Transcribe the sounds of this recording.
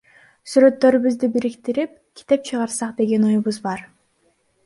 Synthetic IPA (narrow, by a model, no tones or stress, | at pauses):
syɾø̞t̪ːø̞ɾyβyzd̪ibiɾikt̪iɾip̚ | kʰʲi̥t̪e̞p̚t͡ʃʰɯʁɑɾsɑqd̪e̞ɡe̞nojuβuzbɑɾ